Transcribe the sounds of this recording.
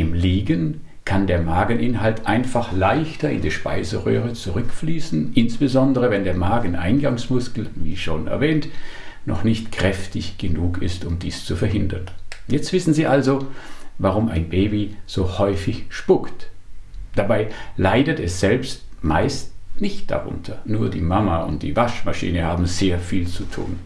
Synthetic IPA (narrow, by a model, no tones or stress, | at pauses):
ʔɪmliːɡən | kʰandeːɐmaːɡn̩ʔɪnɦaltʔaɪnfaχlaɪçtɐɪ̰ndiːʃpa̰ɪzəʁø̰ːʁət͡suʁʏkfliːsn̩ʔɪnsb̥əzɔndəʁəvɛndeːɐmaːɡn̩ʔa̰ɪnɡaŋsmʊskl̩vḭːʃoːnɛ̰ɐvɛːntnɔ̰χnɪçtkʁ̥ɛftɪçɡ̥ənuːkʰɪ̰stʊmdiːst͡sufɛɐɦɪndɐnjɛt͡stv̥ɪsn̩ziːʔalzovaʁʊma̰ɪnbeːbiz̥oːhɔʏfɪçʃpʊkt | d̥abaɪlaɪdətɛsz̥ɛlpstma̰ɪstnɪçt̚d̥a̰ʁʊ̰ntʰɐnuːɐdḭːmamaʊ̰nt̚d̥ḭːvaʃmaʃḭːnəhaːbm̩zeːɐfiːlt͡sutʰṵːn